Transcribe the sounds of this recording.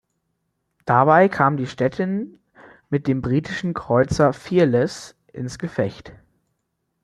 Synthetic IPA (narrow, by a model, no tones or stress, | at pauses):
d̥abaɪkʰaːmdiːʃtɛtʰɪn | mɪt̚d̥eːmbʁiːtʰɪʃn̩kʁ̥ɔʏt͡sɐfiːɐlɛs | ʔɪ̰nsɡ̥əfɛçt